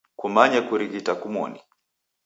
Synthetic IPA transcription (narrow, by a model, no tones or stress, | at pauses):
kumaɲakuɾiɡitakumɔ̰ni